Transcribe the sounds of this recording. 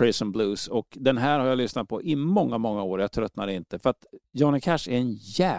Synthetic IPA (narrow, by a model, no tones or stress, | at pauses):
ɹɪsənbluːsɔkd̪ɛnɦæːɾhaɾjalʏsnat̪̚pʰɔʔɪmɔŋːamɔŋːaoːɾjɑt̪ʰɾœt̪ːnad̪ɛɪnt̪əfœɾat̪jɔnɪkʰæʂɛɾɛnjɛː